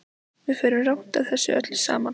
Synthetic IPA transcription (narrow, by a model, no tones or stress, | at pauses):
vɪðfɪːɾʏmrawm̥t̪aðθɛsːʏ̰ʔœ̰t̪l̥sa̰ːman